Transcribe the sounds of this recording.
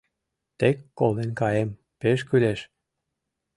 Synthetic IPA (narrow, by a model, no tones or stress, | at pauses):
t̪ekːolˠenkɑjem | peʃ̬kyleʃ